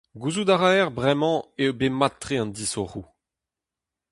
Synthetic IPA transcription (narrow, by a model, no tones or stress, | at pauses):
ɡuzud̪aʁaɛʁbʁɛmɑ̃ewbemat̪ːʁeɑ̃nd̪isoʁu